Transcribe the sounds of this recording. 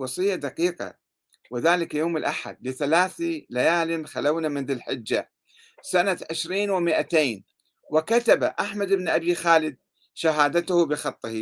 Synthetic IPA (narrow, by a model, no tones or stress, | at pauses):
wɑsˤɨjːad̪aqiːqɑ̰ | wɪðaːlɪkjoːmɪlʔaħa̰d̪lɪθalaːθilajaːlɪnxalawnamɪnðɪlħɪd͡ʒːa | sanaʕɪʃɾiːnwɪmɪʔat̪eːn | wɪkat̪aba̰ʔaħmad̪ɪbnʔabixaːlɪd̪̚ | ʃaɦaːd̪at̪ʊhʊbɪxɑt̪ˤːɪhi